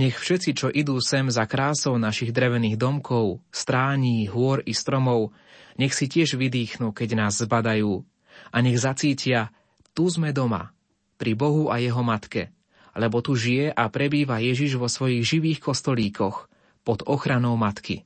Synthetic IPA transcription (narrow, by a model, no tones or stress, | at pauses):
ɲɛxfʃɛt͡sit͡ʃɔʔid̪uːsɛmzakɾaːsɔʊnaʃiɣd̪ɾɛʋɛniːɣd̪ɔmkɔʊst̪ɾaːɲiːɦʊɔɾist̪ɾɔmɔʊ | ɲɛxsicɪɛʒʋid̪iːxnuːkɛɟnaːzːbad̪ajuː | ʔaɲɛɣzat͡siːcɪa | t̪uzmɛd̪ɔma̰ | pɾibɔɦuʔajɛɦɔmat̪kɛ̰ | lɛbɔt̪uʒijɛʔapɾɛbiːʋajɛʒiʒʋɔsʋɔjiɣʒiʋiːxkɔst̪ɔliːkʰɔx | pɔd̪ɔxɾanɔʊmat̪kḭ